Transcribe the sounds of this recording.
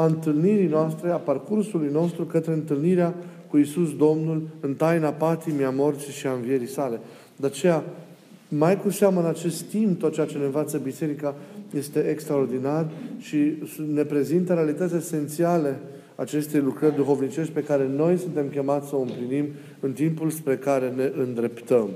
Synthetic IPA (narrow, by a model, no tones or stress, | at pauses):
aɨnt̪ɨlniɾijnoast̪ɾe̞aparkursulujno̞st̪ɾukət̪ɾe̞ɨnt̪ɨlniɾeakuisusd̪o̞mnulɨnt̪ajnapat̪imiamo̞rt̪siʃiaɨnvie̞ɾisale̞ | d̪eat͡ʃe̞ja | majkuʃaməɨnat͡ʃe̞st̪t̪impt̪ot̪̚t͡ʃeat͡ʃe̞nenvat̪səbise̞ɾikaje̞st̪e̞ʔekst̪ɾao̞rd̪inarʃine̞pɾe̞zint̪əɾealit̪ət̪sʲese̞nt̪siale̞ | at͡ʃe̞st̪e̞jlukɾərʲd̪uxo̞vnit͡ʃe̞ʃt̪̚ʲpe̞kaɾe̞no̞jsunt̪e̞mkʲe̞mat̪sʲsəoɨmplinim | ɨnt̪impulspɾe̞kaɾe̞ne̞ʔɨnd̪ɾe̞pt̪əm